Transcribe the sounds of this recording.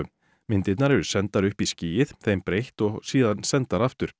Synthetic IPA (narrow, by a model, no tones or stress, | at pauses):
ʏm | mɪnt̪ɪt̪naɾɛɾʏsɛnt̪aɾʏhpisciːjɪðθejmpɾejht̪ɔɣsiːðansɛnt̪aɾaft̪ʏɾ̥